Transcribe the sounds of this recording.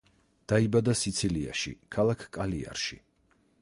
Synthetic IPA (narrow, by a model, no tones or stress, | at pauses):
d̪̥aibad̪asit̪sʰilia̰ʃḭkʰalˠakʰkʼalia̰ɾʃi